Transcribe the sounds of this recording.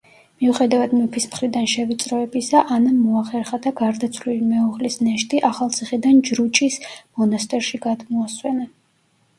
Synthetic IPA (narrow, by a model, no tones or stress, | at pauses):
miuχɛd̪avad̪mɛpʰismχɾid̪anʃɛvit̪sʼɾɔɛbisaʔanamɔaχɛɾχad̪aɡaɾd̪at̪sʰvlilimɛuʁlisnɛʃt̪ʼiʔaχalˠt̪sʰiχid̪and͡ʒɾut͡ʃʼismɔnast̪ʼɛɾʃiɡad̪mɔaswɛna